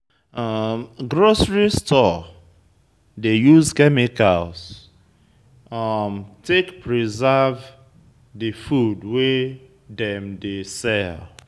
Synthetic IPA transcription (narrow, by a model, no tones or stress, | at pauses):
mɡɾosɹistʰɔ | dejuzkɛmikalz | ʌmtʰekpɹizav | difudwe | dɛ̃mdesɛl